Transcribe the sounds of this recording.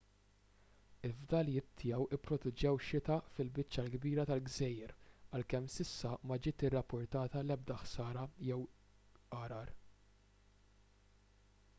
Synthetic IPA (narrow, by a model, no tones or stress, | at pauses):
ɪvd̪ɐljɪtt̪ʰːɪjɛwʔɪpːɾɔt̪ɛd͡ʒɛwʃɪt̪ɐfɪlbɪt͡ʃːɐlɡbiːɾɐt̪ɐlɡzɛjːɛɾɐlkɛmsɪsːɐmɐd͡ʒɪːt̪ɪrːɐpːʊɾt̪ɐːt̪ɐlɛb̚d̪ɐħsɐːɾɐjɛw | ʔɐɾɐɾ